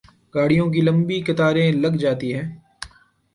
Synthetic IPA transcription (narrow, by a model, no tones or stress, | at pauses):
ɡaːɽ̤ijõk̬ilɐ̃mbikɪt̪aːɾẽlɐɡd͡ʒaːt̪iɦɛː